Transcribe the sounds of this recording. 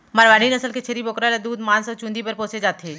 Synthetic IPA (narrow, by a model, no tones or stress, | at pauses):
maɾʋaːɽinɐsəlket͡ʃʰeɾiboːkɾaɾed̪uːd̪mãːnsɔt͡ʃũnd̪ipɐɾpoːsed͡ʒaːt̪ɦeː